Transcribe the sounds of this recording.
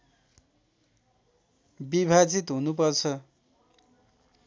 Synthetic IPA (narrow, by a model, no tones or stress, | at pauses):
bibʱad͡zit̪ɦunupʌrt͡sʰʌ